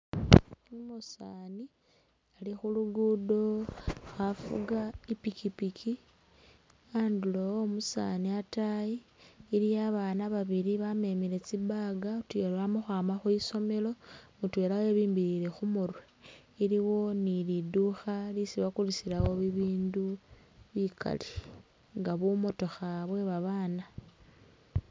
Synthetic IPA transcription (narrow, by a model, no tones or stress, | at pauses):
musaːni | alixuluɡudo̞xafṵɡaipikipikʰi | anduloomusa̰niatajiːɾijaβaːnaβaβiɾiβame̞mile̞t͡sibaɡatwelaβamuxwaːmaxuiso̞me̞lo̞mutwelaweβiːmbiɾiɾe̞xumuɾwe | iliwo̞niliduxalisiβakulisilawo̞βiβiːndu | βikʰa̰li | ŋɡaβumo̞to̞xaβwe̞βaβaːna